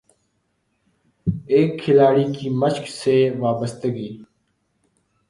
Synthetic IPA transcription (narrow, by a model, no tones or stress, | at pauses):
eːkʰːɪlaːɽiːkiːməʃkseːʋaːbəst̪əɡiː